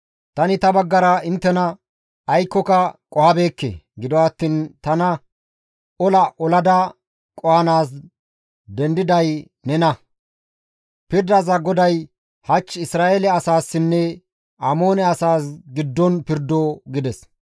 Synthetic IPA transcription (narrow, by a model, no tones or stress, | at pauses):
t̪ɐnɪt̪ɐbɐɡːɐɾɐɪnt̪ːɛnɐ | ɐjkːɔkɐkʼɔhɐbe̞ːkːḛɡɪd̪ɔwɐt̪ːiːnt̪ɐnɐ | ɔlɐʔɔlɐd̪ɐ | kʼɔhɐnaːs̬ | d̪ɛnd̪ɪd̪ɐj | nɛnɐ | pɪɾd̪ɐzɐɡɔd̪ɐj | hɐt͡ʃːɪsɾaːʔeːlɛɐsaːsːɪnːɛ | ʔɐmo̞ːnɛɐsaːsɡɪd̪ːɔnpɪɾd̪ːoɡɪd̪ɛs